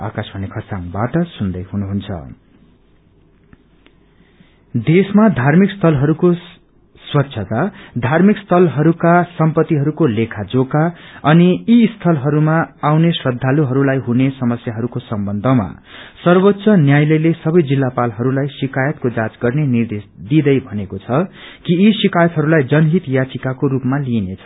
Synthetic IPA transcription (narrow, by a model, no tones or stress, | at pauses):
a̰kasbʱʌnekʰʌsaŋbaʈʌsund̪ʌjɦunuɦunt͡sʰʌ̰ | d̪esmad̪ʱarmikst̪ʰʌlɦʌɾuko | swʌtːsʰʌt̪ad̪ʱarmikst̪ʰʌlɦʌɾukasʌmpʌt̪ːiɦʌɾukolekʰad͡zokaʌniːst̪ʰʌlɦʌɾumaawnesrʌd̪ʱːaluɦʌɾulajɦunesʌmʌsjaɦʌɾukosʌmbʌnd̪ʱʌma̰sʌrbot̪ːsʰʌnjajlʌjlesʌbʌjd͡zilːapalɦʌɾulajsikajʌt̪̚kod͡zat͡sɡʌrnenird̪esd̪id̪ʌjbʱʌnekot͡sʰʌkiːsikajʌt̪ɦʌɾulajd͡zʌnɦit̪jat͡sikakoɾupmalinet͡sʰʌ